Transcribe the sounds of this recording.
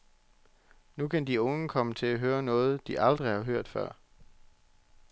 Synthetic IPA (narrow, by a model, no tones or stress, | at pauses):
nukʰænd̥iɔ̽ŋəkʰɒ̽mət͡sʰe̝æɦøːɐnɔ̽ːð̞̩ˠd̥iʔɑ̈ld̥ʁihɑ̈ɦøɐ̰d̥fɶ̰ɐ̰